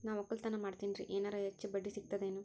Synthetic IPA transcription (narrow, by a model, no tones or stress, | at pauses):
naːʋɔkːɐlt̪ɐnɐmaːɽt̪iːniɾḭʔeːnaːɾɐɦet͡ʃːibɐɖːisiɡ̚t̪ɐd̪eːnu